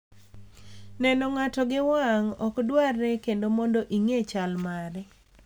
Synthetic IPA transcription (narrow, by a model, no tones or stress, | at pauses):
nɛnɔŋatɔɡɪwaŋɔkdwarːɛkendomɔndoʔiŋet͡ʃalmaɾɛ